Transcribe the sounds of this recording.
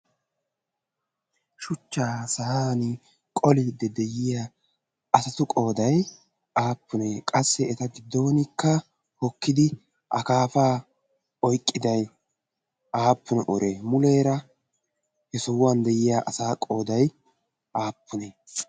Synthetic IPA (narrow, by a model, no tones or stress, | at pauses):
ʃʊt͡ʃːaːsɐhaːnɪ | kʼɔlɪd̪ɛd̪ɛjɪja | ɐsɐt̪ʊkʼo̞ːd̪ɐj | aːpːʊneːkʼɐsːɛɛt̪ɐɡɪd̪ːo̞ːnɪkːɐ | hɔkːɪd̪ɪ | ʔɐkaːfaː | ɔjkʼːɪd̪ɐj | ʔaːpːʊnɛʔɔɾʔeːmʊleːɾɐ | hɛsɔwːɐnd̪ɛjɪjaːʔɐsaːkʼo̞ːd̪ɐj | ʔaːpʰːʊneː